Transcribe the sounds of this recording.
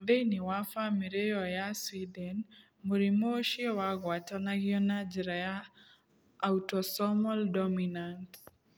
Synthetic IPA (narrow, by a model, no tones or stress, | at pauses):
beinɪwafamiɾejɔjaswidɛn | moɾimoʃewaɡwatɔnaɡɪɔnad͡ʒɾajaː | utɔsɔmɔldɔminant